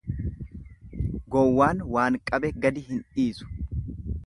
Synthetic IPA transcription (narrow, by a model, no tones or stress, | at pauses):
ɡɔwːaːnwaːŋkʼɐbɛɡɐd̪ɪɦɪnᶑiːsʊ̥